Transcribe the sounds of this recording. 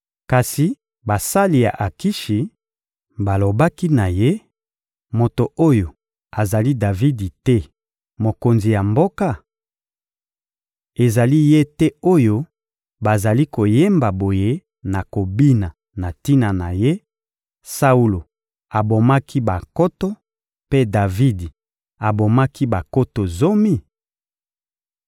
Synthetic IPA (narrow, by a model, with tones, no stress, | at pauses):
ka˨si˨ | ba˨sa˦li˨ja̰˨ʔa˨ki˦ʃi˨ | ba˨lo˨ba˦ki˦na˨je˦ | mo˨to˨o˦jo˨ | a˨za˨li˦da˨vi˦di˨tɛ˦ | mo˨ko˨nzi˨ja˨mbo˦ka˦ | e˨za˨li˦je˦tɛ˦o˦jo˦ | ba˨za˨li˦ko˨je˦mba˨bo˨je˦ | na˨ko˨bi˦na˨ | na˨ti˦na˨na˨je˦ | sa˦u˦lo˨ | a˨bo˨ma˦kʰi˦ba˨ko˦to˦ | pe˦da˨vi˦di˨ | a˨bo˨ma˦ki˦ba˨ko˦to˨zo˦mi˦˨